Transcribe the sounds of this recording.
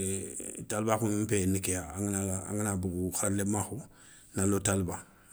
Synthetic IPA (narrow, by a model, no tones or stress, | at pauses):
talbakunm̩penikejaŋnaa̰ŋinabuɡuxaɾlemaxu | nalotalba